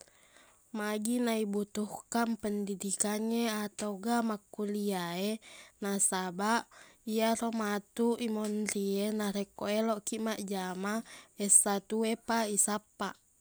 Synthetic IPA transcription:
maɡinaibut̪uhkanpəndidikaɲeat̪auɡamakːuliaenasabaʔiaɾomat̪uʔimɔnɾienaɾekoeloʔkimaʔd͡ʒamaɛsat̪uepaisapaʔ

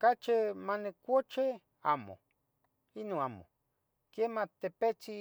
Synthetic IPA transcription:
kat͡ʃemanekʷot͡ʃe | amo̰ | inõamo̰ | kjemat̪epet͡si

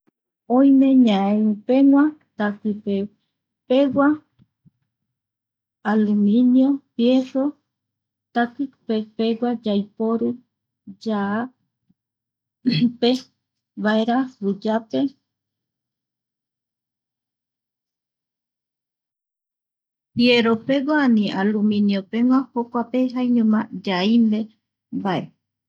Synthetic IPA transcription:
õjmẽ̞ɲãẽupeŋʷat̪akɨpe | pewa | alɨmĩnjopjeso | t̪akɨpepewad͡ʒajpoɾɨ | d͡ʒa | pe | βaeɾaɾud͡ʒape̞ | pjeɾopeɡaanĩalumĩnjopeŋʷãhokʷapeɦaiɲõmad͡ʒaimbe | bae

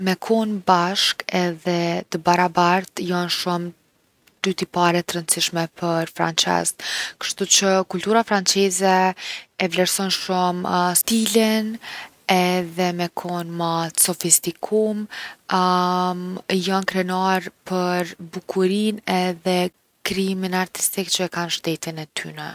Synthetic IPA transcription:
mɛkʰɔnbaʃkɛðɛt̪əbaɾabaɾt̪jɔnʃum | d̪̥yt̪ipaɾɛt̪əɾənt͡siʃmɛpʰəɾfɾa̰nt͡ʃɛ̰zt̪kə̥ʃt̪ut͡ʃəkult̪uɾafɾant͡sɛzɛɛvlɛɾsɔnʃumst̪ilin | ɛðɛmɛkʰɔnməsɔfist̪ikʰum | jɔnkɾɛnaɾpəɾbukʰuɾinɛðɛ | kɾiminaɾt̪i̥st̪ikt͡ʃəɛkanʃt̪ɛt̪inɛt̪ʰy̰nə

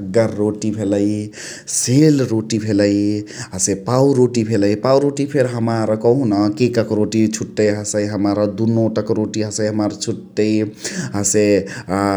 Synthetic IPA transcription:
ɡəːoʈibʱeləj | selɾoʈibʱeləjɦəsepauɾoʈibʱeləjpauɾoʈipʰeɾɦəmaɾəkəɦũnəkekəkɾoʈit͡ʃʰuʈːəjɦəsəjɦəmaɾd̪unoʈəkɾoʈiɦəsəjɦəmaɾt͡ʃʰuʈːəjɦəse

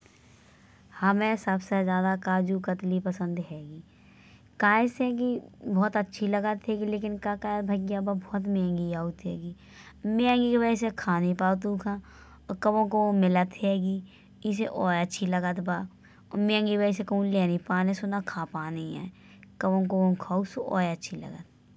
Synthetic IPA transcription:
həmẽsəbsezjaːd̪akaːd͡ʒukət̪lipəsə̃nd̪ɦɛːɡiː | kaːɪsɛ̃ɡibɔːt̪ətːʃʰiləɡət̪ɦɛːɡileːk̬ɪnkakaːjt̪bʱɐɡjababʱɔːt̪mẽːŋɡiaːut̪ɦɛ̰ːɡiː | mẽːŋɡikbɛsekʰaːnipaːt̪̬uːkʰãː | ɔkɐbõkoomɪlət̪ɦɛːɡiː | ɪseʔoːətːʃʰiləɡət̪ba | ɔmẽːŋɡibəs̬ekəũleːnipaːnesʊnakʰaːpaːniɛ̰ː | kɐbõkookʰaːusoɔ̰ːjətːʃʰilə̰ɡət̪̚

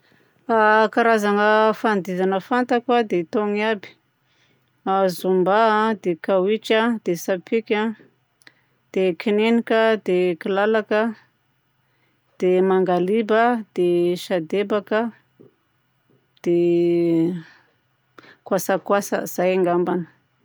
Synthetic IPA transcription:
akaɾazaŋəfand̪izanəfant̪akwad̪et̪oŋiabi̥ | azumbad̪ekawit͡ʃəd̪esapʰikʲa | d̪̥ekʰinenikəd̪ekilalakə | d̪̥emaŋɡalibəd̪̥eʃad̪ebakə | d̪̥e | kwasəkwasə̰z̥ajaŋɡambanə̥

